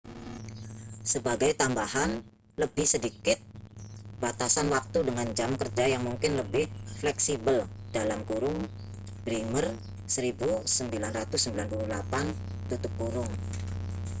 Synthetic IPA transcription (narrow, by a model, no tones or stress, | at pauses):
səbaɡajt̪ambahan | ləbɪhsədikɪt̪̚b̥at̪asanwak̚t̪udəŋand͡ʒamkərd͡ʒajaŋmuŋkɪnləbɪhflɛksibəld̥alamkuɾʊŋ | b̥ɾimər | səɾibusəmbilanrat̪ʊsːəmbilanpululapant̪ut̪ʊp̚kuɾʊŋ